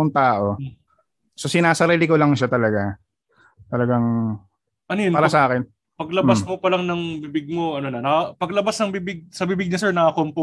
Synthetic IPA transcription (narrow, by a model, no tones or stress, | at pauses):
oŋt̪aːʔo̞ | so̞sɪnaːsɐɾɛːlɪkolɐŋʃat̪ɐlɐɡa | t̪ɐlɐɡaŋ | ʔɐnojonaːɾɐasɐaːkɪn | pɐɡlɐbasmopɐlaŋnɐŋbibɪɡ̚moʔɐnonɐnɐkɐpɐɡlɐbasnɐŋbiːbɪɡ̚sɐbiːbɪɡ̚ɲɐsɛɹnɐkɐkompo